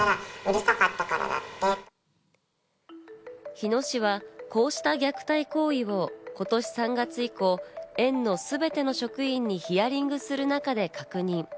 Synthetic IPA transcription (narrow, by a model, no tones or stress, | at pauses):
aɾaɯ̟ɾek̪akat̪ːakaɾa̰d̪a̰t̪ːe | çino̞ɕiβako̞ːɕi̥t̪aɡʲakɯ̟̥t̪aiko̞ːiβo̞ːko̞t̪o̞ɕi̥sãŋɡat͡sɨiko̞ːẽ̞nːo̞sɨbe̞t̪e̞no̞ɕo̞kɯ̟ĩɲ̟ːiçijaɾʲĩŋɡɯ̟sɨɾɯ̟nakad̪e̞kakɯ̟ɲ̟ĩŋ